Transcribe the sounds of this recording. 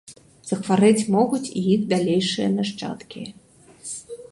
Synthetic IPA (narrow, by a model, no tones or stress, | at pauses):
z̥ɐxvaɾɛt͡sʲmɔɣut͡sʲḭjixd̪alʲejʂɨjɐ̰naʂt͡ʂa̰t̪kʲi